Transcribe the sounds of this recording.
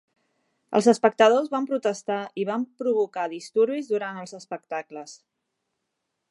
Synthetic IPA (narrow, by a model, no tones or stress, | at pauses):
ə̰lˠzəspək̚t̪əð̞ozβampɾut̪əst̪aiβampɾuβukaðist̪uɾβizðuɾant̪əlˠzəspək̚t̪akləs